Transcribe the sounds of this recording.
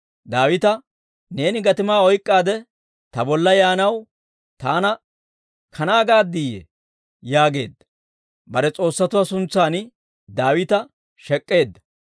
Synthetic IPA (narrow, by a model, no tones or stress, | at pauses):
d̪aːwɪt̪ɐ | ne̞ːnɪɡɐt̪ɪmaːɔjkʼːaːd̪ɛ | t̪ɐbɔlːɐjaːnɐw | t̪aːnɐ | kʰɐnaːɡaːd̪ːiːjɛ̰ | jaːɡe̞̰ːd̪ːɐ̥ | bɐɾɛt͡sʼo̞ːsːɐt̪ʊwasʊnt͡sːaːn | d̪aːwɪt̪ɐ | ʃɛkʼːe̞ːd̪ːɐ̥